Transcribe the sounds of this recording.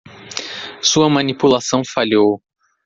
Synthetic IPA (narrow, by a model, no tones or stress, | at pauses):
suɐmɐ̃nipulasɐ̃w̃faʎow